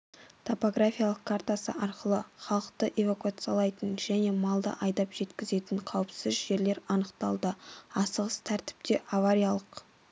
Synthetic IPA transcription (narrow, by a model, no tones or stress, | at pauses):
t̪ʰo̞po̞ɡɾafʲijalˠəqkʰaɾt̪asə̰ʔɑɾqəlˠəχɑlˠəqt̪əʔe̞vakuat̪sɨjalˠɑjt̪ənʒæne̞mɑlˠd̪ə̰ʔɑjd̪ɑpʒ̥e̞t̪kʲɪze̞t̪ɪɴqʰɑwəpsɪɪzʒe̞ɾle̞ɾɑnəqt̪ɑlˠd̪əɑsəʁəst̪ʰæɾt̪ɪ̥p̚t̪eʔavaɾijalˠəq